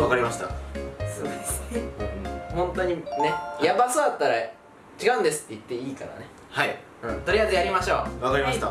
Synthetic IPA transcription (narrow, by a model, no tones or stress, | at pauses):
βakaɾʲimaɕi̥t̪a̰soo̰d̪esɨ̥neɯhõ̞nt̪o̞ɲ̟ine̞jjabasoat̪ːaɾa | t͡ɕiɡaɯ̟̃nd̪esɨ̥t̪ːe̞it̪ːe̞iːka̰na̰ne̞ | hai | ɯ̃t̪o̞ɾʲijajzɨjaɾʲimaɕo̞̰ːβakaɾʲimai̥t̪a